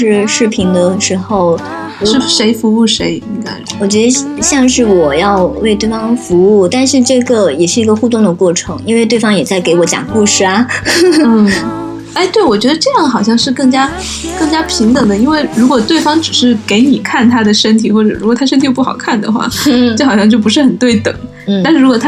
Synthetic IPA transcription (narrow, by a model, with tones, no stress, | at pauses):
ʂɻ̩˥˧ʂɻ̩˥˩pʰi˧˥ŋd̪ə˧ʂɻ̩˧˥xo˥˧ʊ˧ | ʂɻ̩˥˩ʂe˧˥ɪfu˧˥u˥˩ʂe˧˥ɪi˥ŋka̰˥ɪ˩wɔ˨˩t͡ɕɥɛ˧˥d̪ə˧˥ɕjɑ˥˧ŋʂɻ̩˥˩wɔ˨˩jɑ˥˧ʊwe˥˧ɪt̪we˥˩ɪfɑ˥ŋfu˧˥u˥˩t̪a˥˧nʂɻ̩˥˧ʈ͡ʂɤ˥˩ɡə˩jɛ˨˩ʂɻ̩˥˩i˧˥ɡə˧xu˥˧t̪ʊ˥˩ŋd̪ə˩kwɔ˥˩ʈ͡ʂʰɤ˧˥ŋi˥nwe˥˧ɪt̪we˥˩ɪɑ˥ŋjɛ˨˩t͡sa˥˩ɪke˧˥ɪwɔ˧˥t͡ɕjɑ̰˨˩ŋku˥˧ʂɻ̩˥˩ɐ˩n̩˥˩ | a˥˧ɪt̪we˥˩ɪwɔ˨˩t͡ɕɥɛ˧˥d̪ə˧ʈ͡ʂɤ˥˧jɑ˥˩ŋxɑ˨˩ʊɕ̬jɑ˥˧ŋʂɻ̩˥˧kɤ˥˩ŋt͡ɕja˥ | kɤ˥˩˧ŋt͡ɕja˥pʰi˧˥ŋt̪ɤ˨˩ŋd̪ə˦i˥nwe˥˩ɪɻu˧˥kwɔ˨˩t̪we˥˩ɪfɑ˥ŋʈ͡ʂɻ̩˨˩ʂɻ̩˥˩ke˧˥ɪni˨˩kʰa˥˩nt̪ʰa˥d̪ə˨ʂə˥nt̪ʰi˨˩xwɔ˥˩ʈ͡ʂɤ˨˩ɻu˧˥wɔ˨˩t̪ʰa˥ʂə˥t̪ʰi˨˥pu˥˩xɑ˨˩ʊkʰa˥˩nd̪ə̰˩xwa̰˥˩˥jo˥˩xɑ˨˩ʊɕjɑ˥˧ŋt͡ɕjo˥ʊp̬u˧˥ʂɻ̩˥˩xə˨˩nt̪we˥˩ɪt̪ɤ̰˨˩˦ŋ | n̩ta˥˧ʂɻ̩˥˩ɻu˧˥kwɔ˨˩˥